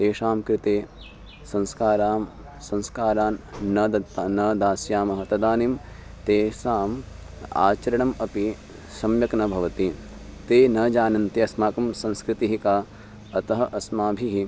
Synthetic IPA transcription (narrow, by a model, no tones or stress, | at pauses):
t̪eːʃaːmkɾɪt̪eː | sɐ̃nskaːɾaːm | sɐ̃nskaːɾaːnːɐd̪ɐt̪nɐd̪aːsjaːmɐɦɐt̪ɐd̪aːnim | t̪eːʃaːm | a̰ːt͡ʃɐɾɐɳɐmɐpi | sɐmjɐknɐbʱɐʋɐt̪i | t̪eːnɐd͡ʒaːnɐnt̪iɐsmaːkɐmsɐ̃nskɾɪt̪iɦikaː | ɐt̪ɐɦɐʔɐsmaːbʱiɦi